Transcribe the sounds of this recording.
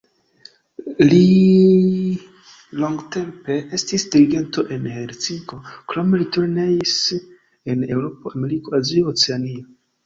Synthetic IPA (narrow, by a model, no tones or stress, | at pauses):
li | lo̞ŋɡte̞mpe̞ʔe̞stisdiɾiɡe̞nto̞ʔe̞nheɾt͡siŋko̞kɾo̞me̞litoɾneis | ene̞wɾo̞poame̞ɾiko̞azioot͡seanio